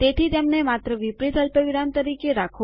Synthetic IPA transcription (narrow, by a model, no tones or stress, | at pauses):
t̪et̪ʰit̪emnemat̪ɾəʋipɾit̪ɦəlpəʋiɽamt̪əɾikeɾakʰo